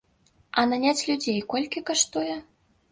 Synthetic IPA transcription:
ananʲat͡sʲlʲud͡zʲejkolʲkʲikəʂt̪ujɛ

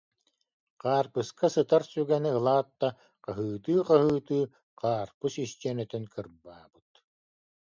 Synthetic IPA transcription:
qaːɾpɯskasɯt̪aɾsyɡɛniɯlˠaːt̪ːa | qaɦɯːt̪ɯːqaɦɯːt̪ɯː | qaːɾpɯsist̪iɛnœt̪œnkɯɾbaːb̥ɯt̪̚

